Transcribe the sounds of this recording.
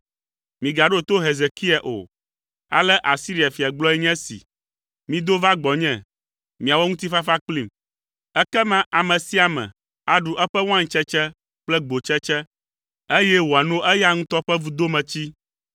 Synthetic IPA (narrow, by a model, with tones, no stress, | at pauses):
mĩ˨ɡa˨ɖo˦˨t̪o˦ɦe˨ze˨ki˦a˨ʔo̰˨ | a̰˨lɛ˦ʔa˨si˦ɾi˨a˨fi˨a˨ɡ͡blɔ˦ɛ˦ɲɛ̃˦sḭ˨ | mĩ˦d̪o˦va˦ɡ͡bɔ˨ɲɛ̃˦˨ | mĩ˨a˨wɔ˦ŋũ˦t̪̬i˦fa˦fa˦k͡pli˦m | ɛ˦kɛ˦mã˦ʔa˨mɛ̃˨si˦a˨mɛ̰̃˨ | a˨ɖu˨ʔɛ˦ɸɛ˦w̃ã˦ŋ˨t͡ʃɛ˦t͡ʃɛ˦ | k͡plɛ˦ɡ͡bo˨t͡ʃɛ˦t͡ʃɛ˦ | e˦jɛ˦wo˨a˨nõ˦ʔɛ˦ja˦ŋũ˦t̪ɔ˦ɸɛ˦vu˨d̪o˦mɛ̃˨t͡ɕi˦